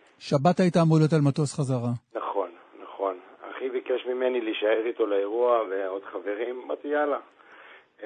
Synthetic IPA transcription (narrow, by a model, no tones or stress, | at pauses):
ʃabataitaːmolotalmatosχazaʁanaχo̞nːaχo̞na̰χibikeʃmimeniliʃaeʁit̪o̞laeʁuaveo̞d̪χave̞ʁimbat̪ijala